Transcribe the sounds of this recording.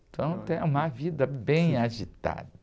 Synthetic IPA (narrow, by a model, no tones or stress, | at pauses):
t̪ɐ̃w̃t̪ẽj̃ũmɐvid̪ɐbẽj̃aʒit̪a̰d̪ɐ